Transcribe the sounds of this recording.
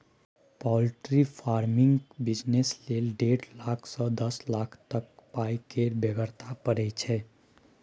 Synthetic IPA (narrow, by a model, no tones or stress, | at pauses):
pɔlʈɾipʰaɾmɪŋɡbɪd͡ʒneslelɖeɽlaːkʰsɔ̃d̪əslakʰt̪ək̚pajkeɾbeɡəɾt̪ʰapəɾɛt͡ʃʰɛ